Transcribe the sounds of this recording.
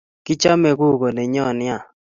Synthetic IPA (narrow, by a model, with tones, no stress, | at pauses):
kɪ˦t͡ʃa˦me˨ɡu˦˨ɡo˨nɛ˨ɲɔ˦˨nɪ˦a˨